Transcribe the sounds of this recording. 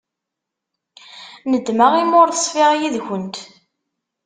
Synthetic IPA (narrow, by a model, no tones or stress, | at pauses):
nəd̪ːmaʁimʊɾθəsˤfiʁjiðçənt̪